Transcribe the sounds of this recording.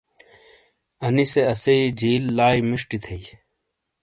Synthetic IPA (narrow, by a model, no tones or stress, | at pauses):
ɐniseɐseid͡ʑiːlːaːjmiʂʈit̪ʰei